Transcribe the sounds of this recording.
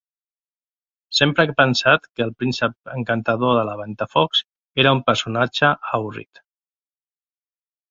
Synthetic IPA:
sempɾəkəpənsat̪kəːlˠpɾinsəp̚əŋkant̪aðoðəlaβ̞ant̪afɔks | eɾəumpəɾsunad͡ʒəawrḭt̪

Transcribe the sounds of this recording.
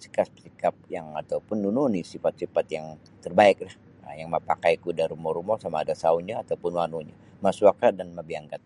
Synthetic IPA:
si̥kaspsikap̚jaŋat̪aupʊnːununisifat̪̚sifat̪jaŋ | t̪ərbaɪk̚lah | əjaŋmapakajkudaɾumɔɾumɔsamaːdasauɲaːt̪aupʊnwanuɲa | masuakadanmabiaŋɡat̪̚

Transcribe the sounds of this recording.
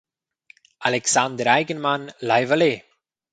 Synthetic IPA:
alɛksand̪əɾajɡənmanlajvale

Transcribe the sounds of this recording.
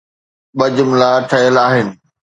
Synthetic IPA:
ɓɐd͡ʑʊmlaːʈʰɐjəlaːɦɪnɪ̆

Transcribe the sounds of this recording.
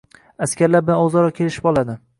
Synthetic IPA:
askʲaɾlaɾbɪlanɒzaɾɒkʲʰe̞lɪʃɪ̥pɒlˠad̪ɪ

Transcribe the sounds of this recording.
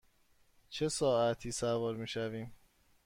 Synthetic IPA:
t͡ʃʰe̞sɒːæt̪ʰiːsævɒːɾmiːʃæviːm

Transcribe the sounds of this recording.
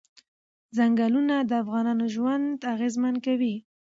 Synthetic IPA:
zaŋɡalunad̪əafɣɑnɑnoʒwand̪aɣezmankawi

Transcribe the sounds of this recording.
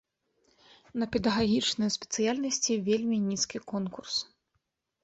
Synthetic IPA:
nɐpʲɛd̪ɐɣaɣʲit͡ʂnɨjɐspʲɛ̥t̪sɨjalʲnɐsʲt͡sʲivʲelʲmʲinʲiskʲikɔnkurs

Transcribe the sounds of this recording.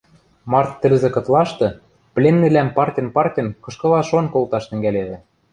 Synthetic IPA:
mɑrt̪ːɘ̆lzĕkɤ̆t̪lɑʃt̪ɤ̆ | plʲenːilæmpɑrtʲɤ̆npɑrtʲɤ̆nkɤ̆ʃkɤ̆lɑʃonkolt̪ɑʃt̪ɘ̆ŋɡæleβɘ̆

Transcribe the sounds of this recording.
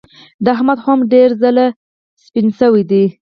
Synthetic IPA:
d̪əahmad̪xɑmɖeɾzəla | spinsəwid̪i

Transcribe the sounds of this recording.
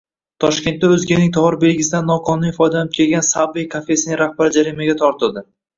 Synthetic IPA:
t̪ʰɒʃkʲe̞nt̪ːaɵzɡʲanɪŋt̪ʰɒhɒɾɪbelɡʲɪsɪd̪anːɒqʰɒnʊnifɒjd̪anɪp̚kʲʰe̞lɡʲansabijkʰafe̞sɪnɪŋɾahbaɾɪd͡ʒaɾimaɡʲat̪ʰɒɾt̪ʰɪld̪ɪ

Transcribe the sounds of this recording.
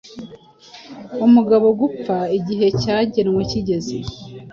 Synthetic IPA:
umuɡaβo̞ɡup͡faiɟiɦe̞caːɟe̞nweciɟe̞ze

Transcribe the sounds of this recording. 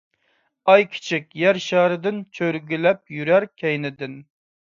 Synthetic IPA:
ɑjkʲʰi̥t͡ʃʰikʲjæɾʃɑɾɨd̪ɪnt͡ʃʰøɾɡʲilɛp̚jyɾæɾkʲʰɛjnɪd̪ɪn

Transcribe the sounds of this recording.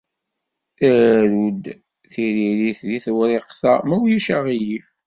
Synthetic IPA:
æɾud̪ | θiɾiɾiθðiθwɾeqθæmæwjiʃæʁijif

